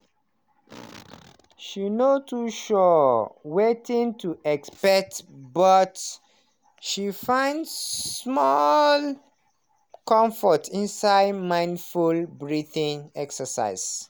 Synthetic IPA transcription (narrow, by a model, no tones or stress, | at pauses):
ʃinotʰuʃɔwetĩŋtʰuʔɛkspɛk̚tbʌt | ʃifãɪ̃ndsmɔl | kɔ̃mfɔtʰĩnsaɪdmãɪ̃ndfulbɹiθĩŋɛksəsa̰ɪz̥